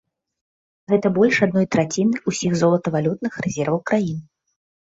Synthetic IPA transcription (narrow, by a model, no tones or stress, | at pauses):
ɣɛt̪ɐbɔlʲʂad̪̚nɔjt̪ɾat͡sʲinɨusʲixzɔlˠɐt̪ɐvalʲut̪̚nɨxrɛzʲɛrvɐwkɾajinɨ